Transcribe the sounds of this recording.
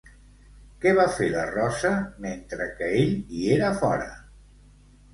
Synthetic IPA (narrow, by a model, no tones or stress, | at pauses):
kɛβafelərɔsəment̪ɾəkəeʎieɾəfɔɾə̰